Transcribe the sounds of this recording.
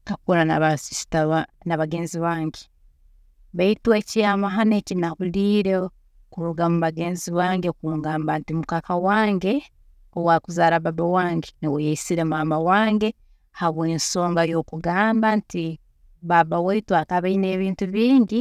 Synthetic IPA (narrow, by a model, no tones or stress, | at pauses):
kakuɾanaβasisi̥taβanaβaɡe̞ːnziβaːŋɡe | βaitwe̞ːcijamaɦanecinaɣuliːɾe | okuɾuɡamuβaɡe̞ːnziβaːŋɡeokuŋɡaːmbantimukakawaːŋɡe̞ | owakuzaːɾaβabawaːŋɡenewojaisiɾemaːmbawaːŋɡe̞ | haβweːnso̞ːŋɡajo̞kuɡaːmbanti | βabawaitwaːkaβaine̞ːβiːntuβiːɲɟi